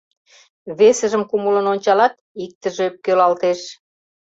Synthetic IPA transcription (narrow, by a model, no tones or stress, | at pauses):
βesə̆ʒəmkumulə̆nonʲt͡ɕɑlɑt̪ | ik̚t̪əʒeøp̚kølɑlt̪eʃ